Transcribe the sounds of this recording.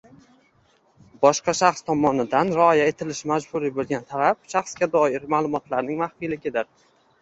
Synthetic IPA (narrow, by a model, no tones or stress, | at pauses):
bɒʃqɑʃɑχst̪ʰɒmɒnɪd̪anɾɪɒjae̞t̪ʰɪlɪʃmad͡ʒbʊɾibolˠɡʲant̪ʰalap̚ʃɑχsɡʲad̪ɒɪɾmaːlˠʊmɒt̪laɾnɪŋmaχfijlɪɡʲɪd̪ɪɾ